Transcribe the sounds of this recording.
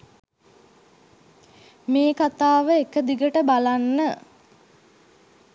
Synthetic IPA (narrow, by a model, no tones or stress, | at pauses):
meːkat̪aːʋəekəd̪iɡəʈəbalanːə